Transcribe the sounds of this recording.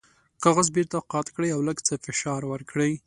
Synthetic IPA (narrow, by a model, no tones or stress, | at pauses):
kɑɣazbeɾt̪aqɑt̪kɽəjawləɡt͡səfɪʃɑɾwəɾkɽəj